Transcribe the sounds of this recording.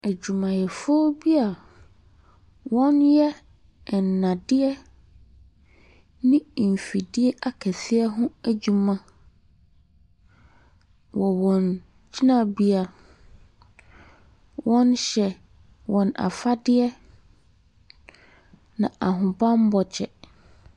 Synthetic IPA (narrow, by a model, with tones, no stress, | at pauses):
æ˨d͡ʑu˨mã˨jɛ˨fɔ˦bi˦a˨ | wɔ̃˦njɛ˦˨ | n̩ː˨ã˨dɪ˦ɛ˦ | nɪ̃˦˨m̩˨fi˨dɪ˦ɛ˦ʔa˨kʰɛ˨sɪ˦ɛ˦ɦʊ̃˦æ˨d͡ʑu˨mã˨ | wɔ˨wɔ̃˨n | d͡ʑi˦nã˦bi˦a˨ | wɔ̃˦nɕɛ˨ | wɔ̃˨na̰˨fa˦dɪ˦ɛ˦ | nã˨ʔa˨ɦʊ̃˨bã˦m˦bɔ˨t͡ɕʰɛ˨